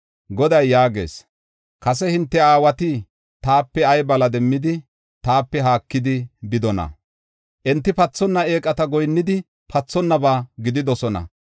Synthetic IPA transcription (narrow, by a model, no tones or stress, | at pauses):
ɡɔd̪ɐjːaːɡe̞̰ːs | kɐs̬ɛhɪnt̪ːɛaːwɐt̪ɪ | t̪aːpːɛɐjbɐlɐd̪ɛmːɪd̪ɪ | t̪aːpːɛɦaːkːɪd̪ɪbɪd̪ɔnɐ̰ | ʔɛnt̪ːɪpɐt͡sːɔnːɐe̞ːkʼːɐt̪ɐɡɔjnːɪd̪ɪ | pɐt͡sːɔnːɐbaːɡɪd̪ɪd̪ɔsɔnɐ̰